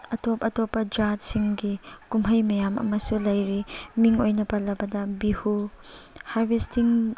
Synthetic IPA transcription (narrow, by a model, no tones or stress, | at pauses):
ɐtɔpɐtɔpɐd͡ʒat̚siŋɡikumɦɐjmɐjamʔɐ̰mɐsulɐjɾimiŋojnɐpɐlɐbɐdɐbihu | haɾbestiŋ